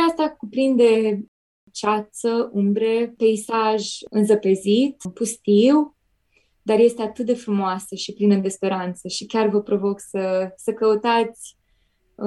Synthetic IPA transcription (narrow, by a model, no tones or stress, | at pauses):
ast̪akupɾind̪d̪e̞ | t͡ʃat̪səumbɾepeisaʒɨnzəpe̞zit̪pust̪iw | d̪arje̞st̪e̞at̪ɨt̪̚d̪e̞fɾumoasəʃiplinəd̪e̞spe̞ɾant̪səʃikʲarvəpɾo̞vo̞ksəsəkəut̪at̪sʲ